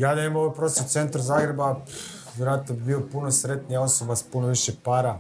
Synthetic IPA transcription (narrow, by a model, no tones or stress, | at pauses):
jaːd̪eemoʋojpɾosose̞nt̪ɾazaːɡɾe̞ba | ʋjeɾoaːt̪nobibiːlopunosɾe̞t̪nijao̞so̞baspunoʋiʃepaːɾa